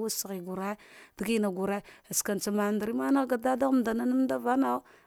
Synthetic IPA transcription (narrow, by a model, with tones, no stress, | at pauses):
wa˦sɣi˨ɡu˨ɾa˦d̥i˨ɡi˦na˨ɡu˨ɾa˦a˨ska˨n˨t͡sa˨ma˨nda˨ɾi˦ma˦na˦ɡa˨da˦da˦ɣm˨da˨na˦nu˦m˦da˦va˦na˦